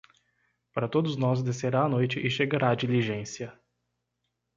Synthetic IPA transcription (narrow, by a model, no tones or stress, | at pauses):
pɾat̪ot̪znɔs̬d̪asɛɾanojt͡ʃɛʔiʃɛɡaɾad͡ʒiliʒɛnsja